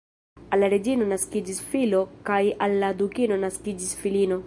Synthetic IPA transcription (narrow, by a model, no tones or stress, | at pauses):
alːaɾed͡ʒiːnonaskid͡ʒisfilokajʔalːad̪ukiːnonaskid͡ʒisfiliːno